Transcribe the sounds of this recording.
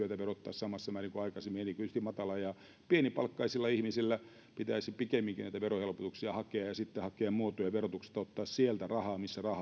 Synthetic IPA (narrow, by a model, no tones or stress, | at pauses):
yøt̪æʋerot̪ːɑ̰ːssɑmɑsːɑmæːriŋkoɑikɑsemːienikyyst̪imɑt̪ɑlɑjɑ | pienipɑ̰lkːɑisilːɑihmisilːæ | pit̪æisipikemːiŋkinæit̪æʋerohelpot̪uksiɑhɑkeɑjɑsit̪ːehɑkeɑmmuot̪ojɑʋerot̪ukse̥t̪ːɑot̪ːɑːssielt̪ærɑhɑːmisːærɑh